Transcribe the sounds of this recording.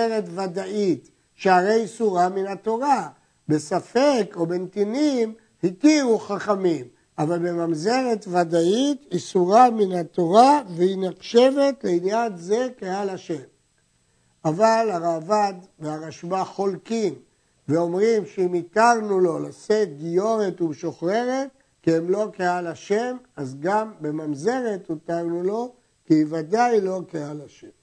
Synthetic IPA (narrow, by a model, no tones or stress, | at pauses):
eʁet̪vad̪ait̪ | ʃehaʁe̞jisuʁaminat̪o̞ʁa | be̞safe̞ko̞be̞nt̪inim | hitiʁuχaχamim | avalbe̞mamze̞ʁe̞t̪vad̪aitisuʁaminhat̪o̞ʁavehinaχʃe̞ve̞t̪le̞injanze̞kehalaʃe̞m | avalaʁaːvad̪veaʁaʃbaχo̞lkim | ve̞o̞mʁimʃeimit̪aʁnulo̞laseɡijo̞ʁet̪uʃo̞χʁe̞ʁe̞t̪̚ | kiemlo̞kealaʃe̞mazɡambe̞mamze̞ʁe̞t̪ut̪aʁnulo̞ | kivad̪ajlo̞kealaʃem